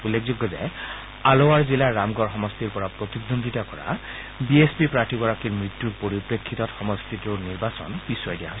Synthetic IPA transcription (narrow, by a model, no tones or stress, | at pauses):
ulːekʰzuɡːɔzɛ̰ | alowaɹzilaɹamɡɔɹxɔmɔstiɹpɔɹapɹot̪iɡd̪ondʱitakɔ̰ɹa̰ | biespipɹaɹtibɔɹakiɹmɹit̪juɹpoɹipɹekʰːitɔtxɔmɔstituniɹbasɔ̰npisɔjdijaɦojs